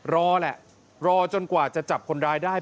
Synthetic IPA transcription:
ɾɔː˧lɛ˨˩ʔ | ɾɔː˧t͡ɕo˧nkwaː˨˩t͡ɕa˨˩t͡ɕa˨˩p̚kʰo˧nɾaː˧jdaː˥˩

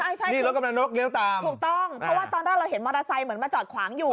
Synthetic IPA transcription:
t͡ɕʰa˥˩jt͡ɕʰa˥˩jniː˥i˥˩o˦t̪̚ka˧mla˧nɾo˦˥k̚li˦əwt̪aː˧ŋʰuː˨˩t̪ɔ˥˩ŋpʰɾɔ˦˥waː˥˩t̪ɔː˧nɾaː˥˩ɾa˧wɦe˩˦nmɔː˧ɾaː˧sa˧jmɯ˩˦ənmaː˧t͡ɕɔː˨˩t̪̚kʰwaː˩˦ŋjuː˨˩

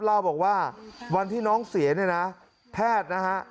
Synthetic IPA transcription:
p̚laː˥˩wbɔː˨˩k̚waː˥˩wa˧nt̪ʰiː˥˩nɔː˦˥ŋsi˩˦ɐni˥˩na˦˥ | pʰɛː˥˩t̪̚na˦˥kʰa˦˥ʔ

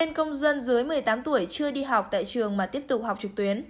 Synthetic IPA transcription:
e˧nkə˧wŋ͡mzə˧nzɨ˨˦jmɨ˨˩əjt̪aː˨˦mt̪u˧˩əjt͡ɕɨ˧əɗi˧ɦa˨˩wk͡p̚t̪a̰ː˧˨jt͡ɕɨ˨˩əŋmaː˨˩t̪i˦˥əp̚t̪ʊ˨˩k͡p̚ha˨˩wk͡p̚t͡ɕɨ˨˩k̚t̪wi˨˦ən

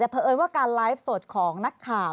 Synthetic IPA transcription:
t͡ɕa˨˩pʰə˧ʔɤː˧jwaː˥˩kaː˧nlaː˦˥jf̚so˨˩t̪̚kʰɔː˩˦ŋna˦˥kʰːaː˨˩

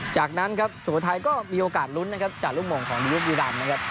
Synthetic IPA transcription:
t͡ɕaː˨˩k̚na˦˥nkʰa˦˥p̚su˨˩˦t̪ʰa˧jkɔː˥˩miː˧ʔoː˧kaː˨˩t̪̚lu˦˥nːa˦˥kʰa˦˥p̚t͡ɕaː˨˩k̚u˥˩ŋ̚moː˨˩ŋkʰɔː˩˦ŋɗi˧ju˦˥p̚jiː˧laː˧˩nna˦˥kʰa˦˥p̚

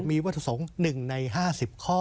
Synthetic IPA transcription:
miː˧wa˦˥t̪ʰa˧˩so˩˦ŋnɯ˨˩ŋna˧jɦaː˥˩si˨˩p̚kʰɔː˥˩

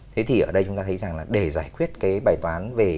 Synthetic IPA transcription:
t̪ʰe˨˦t̪ʰi˨˩ʔəː˧˩ɗə˧jt͡ɕʊ˨˦ŋ͡mt̪aː˧tʰə˨˦jza˨˩ŋlaː˨˩ɗe˧˩zaː˧˩jkwi˦˥ət̚kaː˨˦jɓaː˨˩jt̪waː˨˦nve˨˩

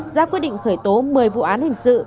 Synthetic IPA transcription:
zaː˧˥kwi˦˥t̚ɗḭ˧˨ŋ̟xəː˧˩jt̪o˨˦mɨ˨˩əjvṵ˧˨ʔaː˨˦nhï˨˩ŋ̟sɨ̰˧˨

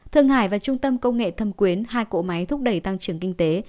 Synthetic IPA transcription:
t̪ʰɨ˧əŋhaː˧˩jvaː˨˩t͡ɕʊ˧ŋ͡mt̪ə˧mkə˧wŋ͡mŋḛ˧˨t̪ʰə˧˩mkwi˨˦ənhaː˧jko̰˧˨ma˨˦jt̪ʰʊ˦˥k͡p̚ɗə˧˩jt̪a˧ŋt͡ɕɨ˧˩əŋkï˧ŋ̟t̪e˨˦

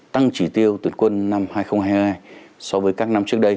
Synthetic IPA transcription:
t̪a˧ŋt͡ɕi˧˩t̪i˧əwt̪ɨ˨˩nkwə˧nːa˧mhaː˧jxə˧wŋ͡mhaː˧jjhjhaː˧jsɔ˧wvəː˨˦jkaː˦˥k̚na˧mt͡ɕɨ˦˥ək̚ɗə˧j

